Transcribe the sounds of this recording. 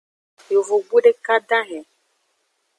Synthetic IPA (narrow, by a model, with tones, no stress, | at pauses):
jo˨vo˨ɡ͡bu˦ɖe˦ka˦dã˦ɦɛ̃˨